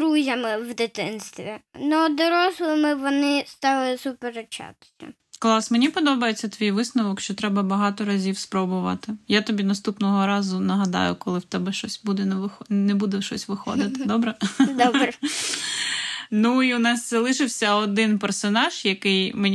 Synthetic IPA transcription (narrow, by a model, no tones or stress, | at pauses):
ɾuzʲɐmɪʋd̪ɪt̪ɪnst̪ʋʲinɔd̪ɔɾɔslˠɪmɪʋɔnɪst̪ɑlˠɪsʊpeɾet͡ʃa̰t̪ɪ̥sʲɐ̰ | klˠɑsmenʲipɔd̪ɔbɐjet͡sʲːɐt̪ʋʲijʋɪsnɔʋɔkʃt͡ʃɔt̪ɾɛbɐbɐɦɑt̪ɔɾɐzʲiwspɾɔbʊʋɐ̰t̪ɪjat̪ɔbʲinɐst̪upnɔɦɔɾɑzʊnɐɦɐd̪ɑ̰jʊ̰kɔlˠɪwt̪ɛbɛʃt͡ʃɔsʲbud̪ɛnɛʋɪxɔnɛbud̪ɛʃɔsʲʋɪxɔ̰d̪ɪt̪ɪd̪ɔbɾɛd̪ɔbɾ | nuiʊnɑst̪sɛlˠɪʃɪwsʲɐɔd̪ɪnpɛrsɔnɑʒ̥jɐkɪjmenʲ